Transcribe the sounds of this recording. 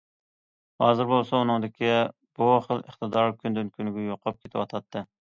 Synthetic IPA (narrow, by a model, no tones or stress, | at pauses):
hɑːzɨɾbolˠsɑunɨŋd̪ɪkʲi | b̥uχəlˠəχt̪ɨd̪ɑɾkʲʰynd̪ɪnkʲʰynɪɡʲɛjoqʰɑp̚kʲʰet̪ʰɪwɑt̪ʰɑt̪ʰːɨ